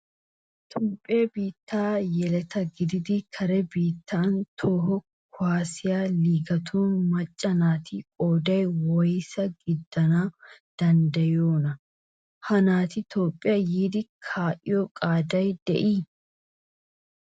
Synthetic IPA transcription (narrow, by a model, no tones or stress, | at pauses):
t̪ʰoːpʼːɪjɐbiːt̪ːaːjɛlɛt̪ɐɡɪd̪ɪd̪ɪkʰɐɾɛbiːt̪ʰːaːnt̪ʰoːɦɔ | kʰʊaːsɪjaːliːɡɐt̪ʰuːnmɐt͡ʃʼːɐnaːt̪iːkʼoːd̪ɐjwɔjsɐɡɪd̪ːɐnaːd̪̥ɐnd̪ɐjoːnɐ | hɐnaːt̪ɪt̪ʰoːpʼːɪjaːjiːd̪ɪkʰaːʔɪ̰jɔkʼaːd̪ɐjd̪̥ɛʔiː